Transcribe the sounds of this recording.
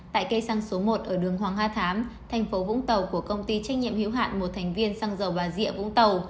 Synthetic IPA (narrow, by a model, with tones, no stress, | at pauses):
t̪a̰ː˧˨jkə˧jsa˧ŋso˨˦mo˨˩t̚ʔəː˧˩ɗɨ˨˩əŋhɦwaː˨˩ŋɦaː˧t̪ʰaː˨˦mt̪ʰɛ˨˩ŋ̟fo˨˦vʊ̰˧˥ŋ͡mt̪ə˨˩wku˧˩əkə˧wŋ͡mt̪i˧t͡ɕa˦˥k̟̚ɲḭ˧˨əmhḭ˧˥wɦa̰ː˧˨nmo˨˩t̚t̪ʰɛ˨˩jŋ̟vi˧ənsa˧ŋzə˨˩wɓaː˨˩zḭ˧˥əvʊ̰˧˥ŋ͡mt̪ə˨˩w